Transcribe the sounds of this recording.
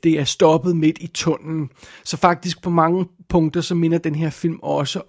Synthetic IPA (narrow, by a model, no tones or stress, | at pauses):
d̥e̝æɐsd̥ɒ̽b̥ð̞̩ˠme̝d̥it͡sʰɔ̽n̰n̩sɒ̽fɑ̈ɡ̥̚d̥isɡ̥̚pʰɒ̽mɑ̈ŋəpʰɔ̽ŋd̥ɐsɒ̽me̝nɐd̥enɦeɐ̰fil̰mɒ̽sə